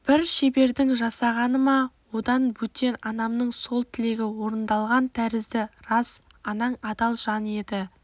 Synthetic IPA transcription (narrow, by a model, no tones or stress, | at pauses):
b̥ɪɾʃe̞be̞ɾd̪ɪŋʒɑsɑʁɑnəmɑwo̞d̪ɑnbɵt̪ːe̞nɑnɑmnəɴso̞lˠt̪ʰɪle̞ɡʲɪwo̞ɾənd̪ɑlˠʁɑnt̪ʰæɾɪzd̪ɪɾɑs | ɑnɑɴɑd̪ɑlˠʒɑne̞d̪ɪ